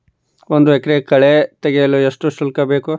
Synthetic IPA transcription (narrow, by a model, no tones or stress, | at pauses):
ond̪uekɾekɐɭet̪eɡejɐlueʂʈuʃulkɐbeːku